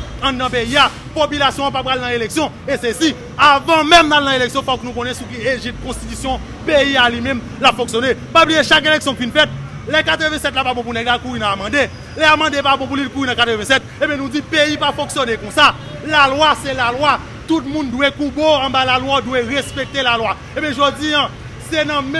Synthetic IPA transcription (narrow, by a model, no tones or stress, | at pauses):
ãd̪ãpeia | popylasjɔ̃papɣalnãeleksjɔ̃ | esɛsi | avãmɛ̃mnalnãeleksjɔ̃faknũkɔ̃nɛ̃suk̬ieʒipkɔ̃st̪it̪ysjɔ̃ | peialimɛ̃m | lapfɔ̃ksjonepablieʃak̬eleksjɔ̃kfinfɛt̪̚ | lɛkat̪ʁəvɛ̃sɛt̪̬lapabɔ̃p̬unɛɡlakuɣinãmɑ̃de | lɛamɑ̃depabɔ̃p̬ũlilkuɣinɐ̃kat̪əvɛ̃sɛt̪̚ebjɛ̃nũd͡zipeipafɔ̃ksjonekɔ̃sa | lalwasɛlalwa | t̪ut̪̚mũndwekũboɐ̃balalwadweʁespek̚t̪elalwa | ebjɛ̃ʒod͡ziã | sɛnɐ̃m